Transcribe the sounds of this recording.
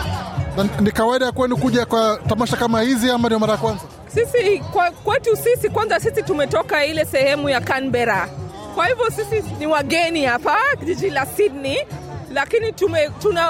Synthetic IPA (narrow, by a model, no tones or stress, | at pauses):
nanikawaiɗajakuwɛnikuʄakwatamaʃakamahiziamandiɔmaɾajakwanza | sisikwakwɛtusisikwanzasisitumɛtɔkailɛsɛhɛmujakanbɛɾa | kwahivjɔsisiniwaɡɛnihapaʄiʄilasidnilakinitumɛtuna